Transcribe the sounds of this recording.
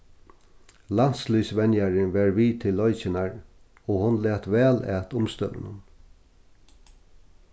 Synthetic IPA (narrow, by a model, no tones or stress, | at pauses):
lan̥slysʋɛnjaɾɪnʋɛɹviːt̪ʰɪlːɔjt͡ʃɪnaɹ | ɔhʊnlɛːt̪vɛːlæ̰ːt̪ʊmst̪œ̰ːʋɪ̰nʊ̰n